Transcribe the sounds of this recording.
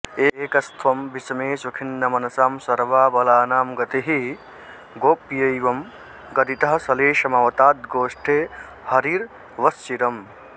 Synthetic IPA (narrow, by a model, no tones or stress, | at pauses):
eːkɐst̪ʰwɐmbisɐmeːsukʰinːɐmɐnɐsaːmsɐɾʋaːbɐlaːnaːmɡɐt̪iɦi | ɡoːpjɐiʋɐm | ɡɐd̪it̪ɐɦɐsɐleːʃɐmaːwt̪aːt̪̚ɡoːʂʈʰe | hɐɾiːɾ | ʋɐst͡ʃiɾɐm